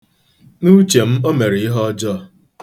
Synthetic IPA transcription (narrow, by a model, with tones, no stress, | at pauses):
nu˦t͡ʃe˨m̩˦o˦me˨ɾi˨i˦ɦɔ˦d͡ʒɔ˦